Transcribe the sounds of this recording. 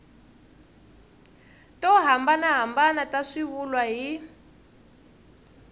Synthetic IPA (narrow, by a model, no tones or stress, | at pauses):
tɔɦambanaɦambanataʂiβulwaɦi